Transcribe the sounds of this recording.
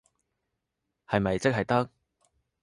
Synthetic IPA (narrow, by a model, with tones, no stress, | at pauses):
hɐ˨jmɐ˨jt͡sɪ˥k̚hɐ˨jt̪ɐ˥k̚